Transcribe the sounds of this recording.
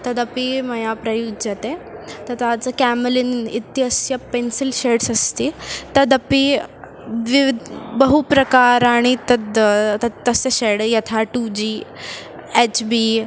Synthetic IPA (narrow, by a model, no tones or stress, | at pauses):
t̪ɐd̪əpimɐjapɾəjudd͡ʑat̪et̪ət̪at͡səkæmlinit̪jəsjəpensilɕeɽsəst̪iːt̪ɐd̪əpi | ʋiʋd̪bəɦupɾɐkaɾaɽ̃it̪ɐd̪t̪at̪ːəseɕeɽjɐt̪ʰaʈud͡ʑi | et͡ɕbi